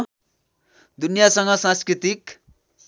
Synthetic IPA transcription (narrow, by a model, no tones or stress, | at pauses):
d̪unjasʌŋɡʌsãnskrit̪ik